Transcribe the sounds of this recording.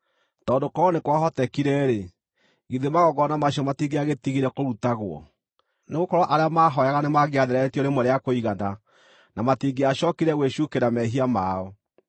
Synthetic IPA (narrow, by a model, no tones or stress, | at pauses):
tɔːndokɔɔnekwaɦɔtɛkiɾɛɾe | ɣiðemaɣɔɡɔnamaʃɔmatiŋɡeaɣetiɣiɾɛkoɾutaɣwɔ̰ | neɣokɔɾwɔʔaɾeamaːɦɔjaɣanemaɣeaðeɾɛtijɔnemoɾeakoiɣana | namatiŋɡeaɕɔkiɾɛɣweʃukeɾamɛɦiamaɔ